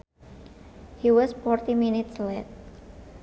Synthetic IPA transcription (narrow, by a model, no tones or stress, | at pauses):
hiwɔsfɔrt̪iminit̪slet̪̚